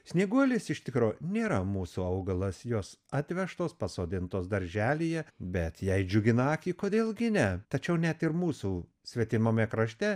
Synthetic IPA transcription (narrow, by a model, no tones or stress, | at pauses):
sʲnʲiːɡuɔlʲɪsɪʃʲt̪ʲɪkɾoːnʲeːɾɐmuːsuːɐʊɡɐlˠɐsjoːsɑt̪ʲʋʲɛʃt̪oːspɐsoːd̪ʲɪnt̪oːsd̪ɐɾʲʒʲæːlʲijɛbʲɛt̪jɛɪd͡ʒʲʊɡʲɪnɑːkʲiːkoːd̪ʲeːlˠɡʲɪnʲɛt̪ɐt͡ʃʲɛʊnʲɛt̪ɪɾmuːsu | sʲʋʲɛt̪ʲɪmɐmʲɛkɾɐʃʲt̪ʲɛ